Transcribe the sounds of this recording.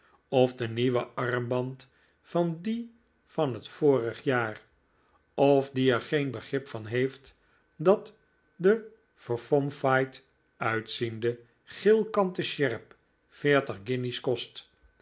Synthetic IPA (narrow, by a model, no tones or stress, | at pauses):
ɔvdəniʋəʔɑɹmbɑnt | fɑndi | fɑnɦətfoːrəχjaːr | ɔvdiɛɹχejnbəχrɪpfɑnɦejft | dɑt | də | fəɹfɔmfajt | œɥtsində | χɪlˠkɑntəʃɛɹp | fɪːɹtəχɡɪniskɔst